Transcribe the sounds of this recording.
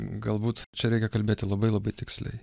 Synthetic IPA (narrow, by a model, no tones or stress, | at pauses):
ɡɐlˠbuːt̪t͡ʃʲɛɾʲɛɪkʲɛkɐlʲbʲeːt̪ʲɪlˠɐbɐɪlˠɐbɐɪt̪ʲɪksʲlʲɛ̰ɪ